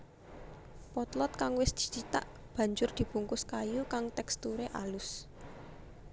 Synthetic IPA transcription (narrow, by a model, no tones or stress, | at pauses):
pɔt̪lɔt̪̚kaŋwɪsd̪̥i̤̥t͡ʃit̪a̰ʔ | b̥ä̤ɲd͡ʒʊrd̪̥i̤b̥ṳŋkʊskajukaŋt̪ɛkst̪uɾeʔalʊs